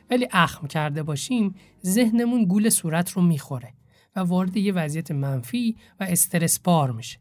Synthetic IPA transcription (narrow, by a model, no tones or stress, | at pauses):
væliːʔæxmcʰæɾd̪e̞bɒːʃiːm | ze̞hne̞munɡuːlesuːɾæt̪ʰɾomiːxo̞ɾe | vævɒːɾed̪e̞jevæzijæt̪ʰemænfiːvæest̪ʰeɾe̞sbɒːɾmiʃe̥